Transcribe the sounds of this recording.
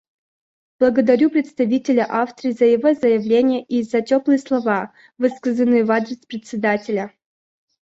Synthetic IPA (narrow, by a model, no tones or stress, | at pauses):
b̥lˠəɡəd̪ɐɾʲupɾʲɪt̪st̪ɐvʲitʲɪlʲəʔafst̪ɾʲiːzəjɪvozəjɪvlʲenʲɪjəʔizɐtʲoplˠɨjəslˠɐva | vɨskəzənːɨjɪvad̪ɾʲɪspɾʲɪt̪ʲsʲɪd̪atʲɪlʲə